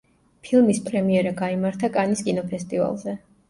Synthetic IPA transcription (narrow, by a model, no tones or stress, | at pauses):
pʰilˠmispʼɾɛmiɛɾaɡaimaɾt̪ʰakʼaniskʼinɔpʰɛst̪ʼiva̰lˠzɛ